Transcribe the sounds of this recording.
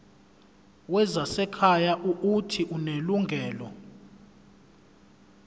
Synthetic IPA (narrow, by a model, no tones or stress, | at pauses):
wɛzasɛkʰajaʔuutʰiʔuneluŋɡʱɛːlɔ